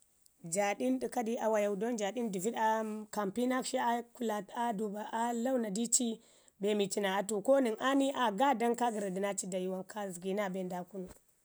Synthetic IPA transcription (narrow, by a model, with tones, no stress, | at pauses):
d͡ʒa˨ɗi˦ndi˨ka˦di˦ʔa˨wa˨ja˨u˨do˦nd͡ʒa˨di˦ndi˨vi˦da˨ka˨mpi˦na˦kʃi˦a˦ku˦la˨ta˦du˨ba˨ʔa˦la˦wna˨di˦t͡ʃi˦ | be˨mi˨t͡ʃi˨na˨a˨tu˨ko˦ni˨ŋʔa˦ni˦ʔa˨ɡa˦da˦ŋka˦ɡi˨ɾa˨di˨na˦t͡ʃi˦da˨ji˨wa˦ŋkʰa˦zi˨ɡi˨na˦be˨nda˨ku˦nu˨